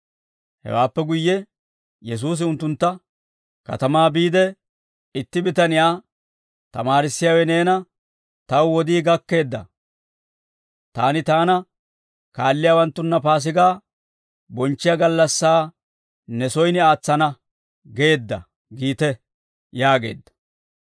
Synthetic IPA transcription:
hɛ̰waːpːɛɡʊjːɛ | jɛs̬uːs̬ɪʊnt̪ːʊnt̪ːɐ | kɐ̰t̪ɐmaːbiːd̪ɛ | ɪt̪ːɪbɪt̪ɐnɪjaː | t̪ɐmaːɾɪsːɪjaːwɛne̞ːnɐ | t̪ɐwwɔd̪iːɡɐkːe̞ːd̪ːɐ̰ | t̪aːnɪt̪aːnɐ | kaːlːɪjaːwɐnt̪ːʊnːɐpaːs̬ɪɡaː | bɔnt͡ʃːɪjaɡɐlːɐsːaː | nɛsɔjnɪaːt͡sːɐnɐ | ɡeːd̪ːɐ̰ | ɡiːt̪ɛ | jaːɡe̞̰ːd̪ːɐ̥

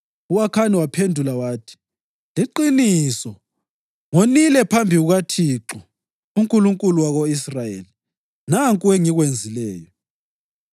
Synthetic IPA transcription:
uwakʰaniwapʰendʱulawaːtʰi̥ | liǃinisɔ | ŋonilɛpʰambʱiɣuɣatʰiǁɔ | uŋkʼuluŋkʼuluwaɣoisrajḛli | naŋkʼueŋiɣwend͡zʱilɛːjɔ

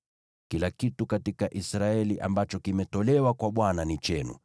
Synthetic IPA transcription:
kilakitukatikaʔisɾaɛliʔa̰mbat͡ʃɔkimɛtɔlɛwakwaɓwananit͡ʃɛnṵ

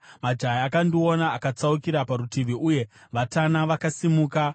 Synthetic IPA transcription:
mad͡ʒajaakandionaːkat͡saukiɾapaɾutiʋiʔuje̞ | ʋatanaʋakasimuːka

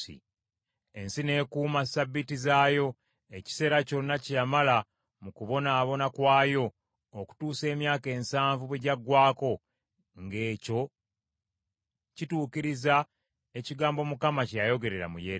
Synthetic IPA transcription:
ḭ | e̞nsine̞ːkuːmasabːitizaːjo̞ | e̞ci̥se̞ːɾaconːacjamala | mukuβo̞naːβo̞nakwaːjo̞ː | ku̥tuːse̞ːmjaːke̞ːnsaːɱvuβweɟaɡwaːko̞ | ŋɡe̞ːco̞ | cituːkiɾiza | e̞ciɡaːmbo̞mukamacajo̞ɡe̞ɾe̞ɾa̰mṵje

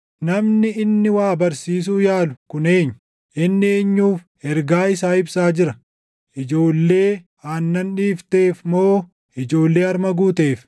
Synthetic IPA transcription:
nɐmnɪɪnːɪwaːbɐɾsiːs̬uːjaːlʊ̥kʊne̞ːɲːʊ | ʔɪnːɪeːɲːuːf | ɛɾɡaːɪsaːɪbsaːd͡ʒɪɾɐ | ʔɪd͡ʒo̞ːlːe̞ː | aːnːɐnᶑiːft̪e̞ːfmoː | ɪd͡ʒo̞ːlːe̞ːɐɾmɐɡuːt̪e̞ːf

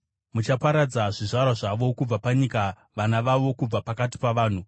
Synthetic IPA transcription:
mut͡ʃapaɾad͡zaʐiʐaɾwaʐaʋo̞kub͡vapaɲika | ʋanaʋaʋo̞kub͡vapakati̥paʋaːn̤u

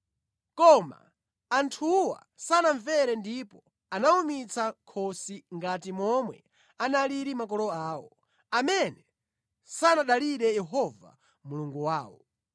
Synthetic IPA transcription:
kɔma̰ː | ntʰuwa̰ | sanaɱvɛɾɛndipɔ | anaumit͡sʰakʰɔsiŋɡatimɔmwɛ̰ | analiɾimakɔlɔaːwɔ | amɛnɛ | sanaɗaliɗɛjɛɦɔva̰ | muluŋɡuwaːwɔ̰

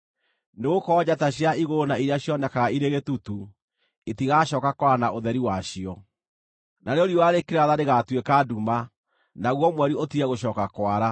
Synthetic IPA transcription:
neɣokɔːd͡ʑataɕjaiɣoɾonaiɾeaɕjɔnɛkaɣaiɾeɣetutu | etiɣaɕɔːkakwɾanaʔoðɛɾiwaɕiɔ | naneoɾioaɾekeɾaðaɾeɣatwekaduma | naɣwɔmwɛɾiotiɛɣoɕ̬ɔːkakwaɾa

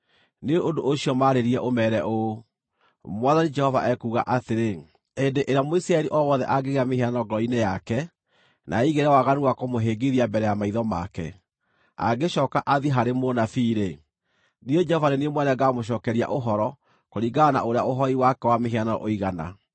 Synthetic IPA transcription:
neʔondoʔoɕiɔmaɾeɾiɛʔomɛɾɛʔo | mwaðanid͡ʒɛhɔvaʔɛkuɣa̰ʔateɾe | endeʔeɾeamoisɾaɛɾiʔɔwɔðɛ̰ʔaɡeɣeameɦeanɔɡɔɾɔinejakɛ | nʔa̰iɣeɾɛwaɣanuwakomoɦeːɡeðiabɛɾɛjamaiðɔma̰kɛ̰ | a̰ɡeʃɔːkaʔaðiɦaɾemonafiɾe | nied͡ʒɛhɔvaɾeniemwɛnɛɡaːmoʃ̬ɔːkɛɾia̰ʔoɦɔɾɔ | koɾiɡaana̰ʔoɾea̰ʔoɦɔiwakɛwameɦeanɔ̰ʔoiɣana̰

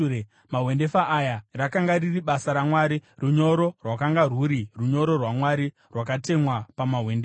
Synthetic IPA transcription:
e | maɦwe̞nde̞faʔːjarakaŋɡaririɓasaɾamwaːɾiruɲo̞ɾo̞rwakaŋɡaruɾiruɲo̞ɾo̞rwamwaɾi | rwakate̞mwapamaɦwe̞ndea

